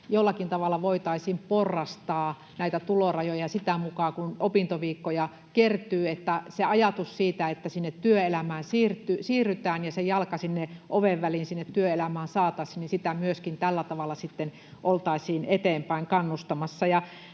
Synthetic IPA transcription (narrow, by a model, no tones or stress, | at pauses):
jolːɑkint̪ɑʋɑlːˑɑʋoit̪ɑisiːmporːɑst̪ɑː | næit̪æt̪ulorɑjojɑjɑsit̪æmukɑːkunopint̪oʋiːkːojɑ | kert̪yːet̪ːæseɑjɑt̪ussiːt̪æet̪ːæsinːet̪tyøelæmæːnsiːrt̪ːˑysiːrːyt̪æːnjɑsejɑlkɑsinːeʔoʋeʋʋælinsinːet̪tyøelæmæːnsɑːt̪ɑisininsit̪æmyøskint̪ælːæt̪ɑʋɑlːˑɑsit̪ːen | ʔolt̪ɑˑisiːnet̪eːmpæiŋkɑnːust̪ɑmɑsːɑjɑ